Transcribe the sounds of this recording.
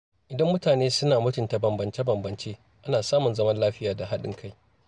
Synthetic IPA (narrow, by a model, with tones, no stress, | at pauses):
ʔɪ˨dɐ˦mːʊ˦taː˨neː˦sʊ˦naː˨mʊ˦tʊ˨nta˨bɐ˨mbɐ˨nt͡ʃe˦bɐ˨mbɐ˨nt͡ʃeː˦ | ʔa˦naː˨saː˦mʊ˨nzɐ˦mɐ˦nlaː˦ɸɪ˦jaː˨da˨ɦa˦ɗɪ̰˦ŋkʰa˦j